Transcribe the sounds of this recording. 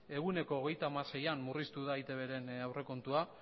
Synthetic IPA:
e̞ɣune̞ko̞ːɣ̞e̞jt̪amase̞jamːurist̪uð̞ait̪e̞βe̞ɾe̞nawre̞ko̞nt̪ua

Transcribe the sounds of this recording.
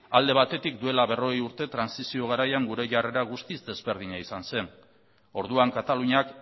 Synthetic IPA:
ald̪e̞β̞at̪e̞t̪ikd̪ue̞laβe̞ro̞ɣejuɾt̪e̞t̪ɾansisio̞ɣ̞aɾajaŋɡuɾe̞ʝare̞ɾaɣ̞ust̪izd̪e̞zβe̞ɾð̞iɲaisanse̞n | o̞ɾðuaŋkat̪aluɲak

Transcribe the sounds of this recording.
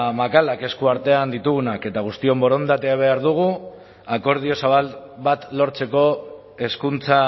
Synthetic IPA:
makalake̞skuaɾt̪e̞and̪it̪uɣunake̞t̪aɣ̞ust̪io̞mbo̞ɾo̞nd̪at̪eaβ̞e̞aɾðuɣ̞u | ako̞ɾð̞io̞saβ̞alβat̪lo̞ɾt͡se̞ko̞ | e̞skunt͡sa

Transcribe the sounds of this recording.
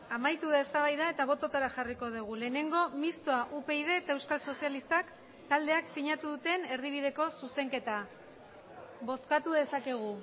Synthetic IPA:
amajt̪uðesaβajðae̞t̪aβ̞o̞t̪o̞t̪oɾaxariko̞ð̞uɣ̞ule̞ːne̞ŋɡo̞mist̪oaʔupe̞ið̞e̞ːt̪aewskalso̞sijalist̪ak | t̪ald̪e̞aksiɲat̪uðut̪e̞ne̞ɾðiβiðe̞ko̞suse̞ŋke̞t̪a | βo̞skat̪uðe̞sake̞ɣ̞u

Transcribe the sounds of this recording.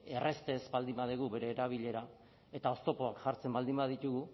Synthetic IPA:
e̞re̞st̪e̞zbald̪imbað̞iɣ̞uβe̞ɾe̞ːɾaβ̞iʎe̞ɾa | e̞t̪ao̞st̪o̞po̞akʝaɾt͡se̞mbald̪imbaðit̪uɣu

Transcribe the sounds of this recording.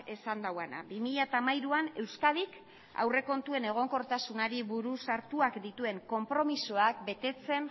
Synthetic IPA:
e̞sand̪awana̰bimiʎat̪amajɾuane̞wskaðik | a̰wre̞ko̞nt̪ue̞ne̞ɣ̞o̞ŋko̞ɾt̪asunaɾiβuɾusaɾt̪uakd̪it̪ue̞ŋko̞mpɾo̞misoak̚be̞t̪e̞t͡se̞n

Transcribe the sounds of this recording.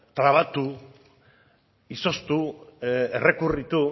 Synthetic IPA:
t̪ɾaβ̞at̪u | iso̞st̪u | ere̞kurit̪u

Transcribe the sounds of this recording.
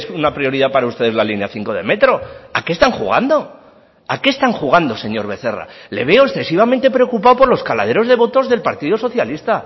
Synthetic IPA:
sunapɾio̞ɾiðapaɾaust̪e̞ð̞e̞zlalinjaθiŋko̞ð̞e̞̰me̞t̪ɾo̞ake̞ːst̪aŋxuɣ̞a̰nd̪o̞ | ake̞ːst̪aŋxuɣ̞and̪o̞se̞ɲo̞ɾβe̞θe̞ra̰le̞̰βe̞oesθe̞siβ̞amẽnt̪e̞pɾe̞o̞kupawpo̞ɾlo̞skala̰ð̞e̞ɾo̞zðe̞βo̞t̪o̞zðe̞lpaɾt̪iðoso̞θjalist̪a

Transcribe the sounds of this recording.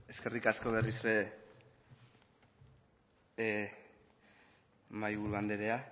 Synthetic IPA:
e̞ske̞rikasko̞β̞e̞risɾe | majβuɾuand̪eɾe̞a

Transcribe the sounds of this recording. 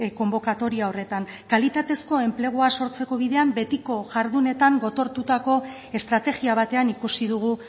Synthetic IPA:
ko̞mbo̞kat̪o̞ɾiao̞re̞t̪aŋ | kalit̪at̪e̞sko̞e̞mple̞ɣ̞uaso̞ɾt͡se̞ko̞β̞iðe̞ambe̞t̪iko̞ʝaɾðune̞t̪aŋɡo̞t̪o̞ɾt̪ut̪ako̞ | e̞st̪ɾat̪e̞ɣiaβ̞at̪e̞anikusiðuɣ̞u

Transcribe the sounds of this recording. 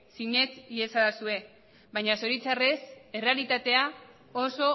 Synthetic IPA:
siɲe̞t͡siesaðasue̞ | βajɲaso̞ɾit͡sare̞se̞re̞alit̪at̪e̞a | oso̞

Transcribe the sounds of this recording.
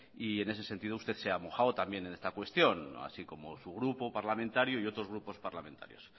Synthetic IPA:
ie̞ne̞s̬e̞se̞nt̪iðoust̪e̞θse̞amo̞xaot̪ambje̞nene̞st̪akwe̞st̪jo̞na̰siko̞mo̞̰suɣɾupo̞paɾlamẽnt̪aɾjoio̞t̪ɾo̞zɣɾupo̞spaɾlamẽ̞nt̪a̰ɾjo̞̰s

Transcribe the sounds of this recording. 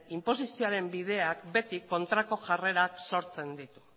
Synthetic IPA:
impo̞sisioaɾe̞mbið̞e̞ak̚be̞t̪iko̞nt̪ɾako̞ʝare̞ɾakso̞ɾt͡se̞nd̪it̪u̥

